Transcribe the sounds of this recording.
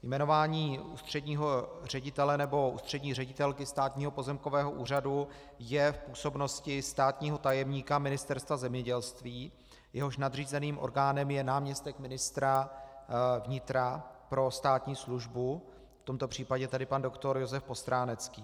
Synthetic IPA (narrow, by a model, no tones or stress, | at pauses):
jmɛno̞vaːɲiːṵːst̪r̝̥ɛdɲiːɦo̞r̝ɛɟɪt̪ɛlɛnɛbo̞ʔṵːst̪r̝̥ɛdɲiːrɛɟɪt̪ɛlkɪst̪aːt̪ɲiːɦo̞po̞zɛmko̞vɛːɦo̞ʔuːr̝adu | jɛfpuːso̞bno̞scɪst̪aːt̪ɲiːɦo̞t̪ajɛmɲiːkamɪnɪst̪ɛɾst̪vazɛmɲɛɟɛlst̪viː | jʔɛɦo̞ʃnad̪r̝iːzɛniːmʔo̰ɾɡaːnɛmjɛnaːmɲɛst̪ɛkmɪnɪst̪ɾa | vɲɪt̪ɾapɾo̞st̪aːt̪ɲiːsluʒbu | ft̪o̞mt̪o̞pr̝̥iːpaɟɛt̪adɪpandokt̪o̞ɾjo̞zɛfpo̞st̪ɾaːnɛt͡skiː